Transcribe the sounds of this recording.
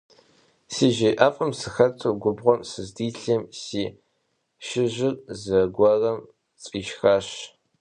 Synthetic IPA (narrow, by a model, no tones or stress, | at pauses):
siːʒiʔafʼɐmsɨxɐtʰʼɨɡʷʊbʁʷɔmsɨzdiːɬɐmsiː | ʃɪʑɪrzɐɡʷɐrɐm | t͡sʼiːʃxɐɕ